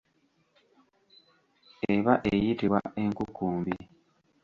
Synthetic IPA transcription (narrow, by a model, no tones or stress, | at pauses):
eβaʔejitiβwa̰ʔe̞ŋkukːuːmbi